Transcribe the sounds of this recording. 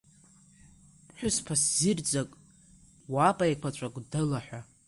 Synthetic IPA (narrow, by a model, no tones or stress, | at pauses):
ħʷᶣʊspʰaszɪrd͡zʼakʼ | wapʼaekʷʰat͡ʃʷʼakʷʼdɨlaħᶣʷa